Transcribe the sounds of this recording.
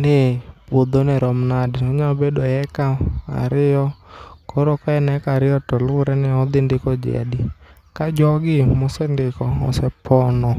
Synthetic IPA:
nɪpwod̪onɛɾɔmnadɪɔɲabedɔɛkaa̰ɾɪɔkɔɾɔkɔɛnɛkaɾɪɔtɔlʊɾɛnɪɔd̪ɪndɪkɔd͡ʒɛ̰dɪ | kad͡ʒɔɡɪmʊsɛndɪkɔɔ̰sɛpʰɔnɔ

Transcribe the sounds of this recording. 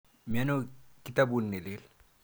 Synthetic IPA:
menokit̪abunːelel

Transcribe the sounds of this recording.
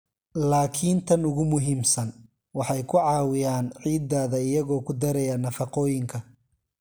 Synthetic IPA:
laːkʰint̪ʰɐnʊɣʊmʊɦiːmsɐn | wɑħɑjkʰʊʕɑːwɪjaːnʕiːd̪aːðɐɪjɐɣɔːkʰʊd̪ɐɾɛjɐnɐfɑqɔːjɪŋkʰɐ

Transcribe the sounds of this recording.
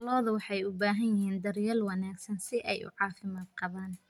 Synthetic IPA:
lɔːðɐwɑħɑjʊbaːɦɐnjɪhiːnd̪ɐrjɐlwɑnaːɡsɐnsɪʔɛjʔʊ̰ʕɑːfɪmaːd̪̚qɑβaːn

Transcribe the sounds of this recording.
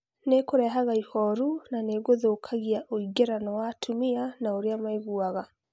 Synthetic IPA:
nekoɾɛɦaɣaihɔɾunaneɣoðookʰaɣiaʔoiɡeɾanɔwatʰumianaoɾeamaiɣuaɣa

